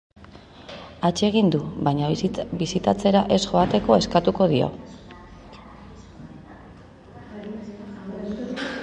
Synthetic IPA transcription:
at͡ʃe̞ɣind̪uβajɲabisit̪at͡se̞ɾaʔe̞sʝo̞at̪e̞ko̞e̞skat̪uko̞ðio̞̰

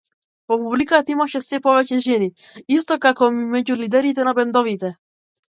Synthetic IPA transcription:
pɔpublikat̪aimaʃɛsɛpɔvɛcɛʒɛni | ist̪ɔkakɔmimɛɟulid̪ɛɾit̪ɛnabɛnd̪ɔvit̪ɛ

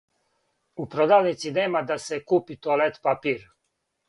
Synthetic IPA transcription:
upɾod̪aːwnit̪sineːmad̪asɛkuːpit̪olɛt̪papiːɾ

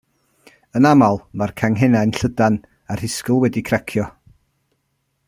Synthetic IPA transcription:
ənamalˠmarkʰaŋɦɛnajnɬədan | ar̥hɪskʊlˠwɛdikʰrakʰjɔ

